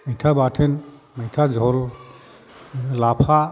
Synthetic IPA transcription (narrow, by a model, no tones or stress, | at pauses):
mejtʰabatʰɛn | mejtʰad͡ʒʱɔl | lapʰa